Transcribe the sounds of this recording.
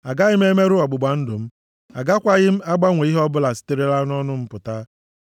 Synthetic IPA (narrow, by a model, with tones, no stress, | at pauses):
a˨ɡa˦ɣɪ˦m̩˦e˦me˦ɾʊ˦ɔ˨ɡ͡bʊ˨ɡ͡ba˨n̩˦dʊ˨m̩˦ | a˨ɡa˦kʷa˦ɣɪ˦m̩˦a˦ɡ͡ba˦ŋʷe˨i˦ɦɔ˦bʊ˦la˨si̥˦te˦ɾe˦la˦n˦ɔ˦nʊ˦m̩˦pʊ˨ta˦